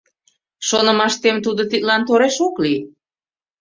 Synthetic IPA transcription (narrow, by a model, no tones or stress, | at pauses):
ʃonə̆mɑʃt̪emt̪ud̪ot̪it̪lɑnt̪oɾeʃokli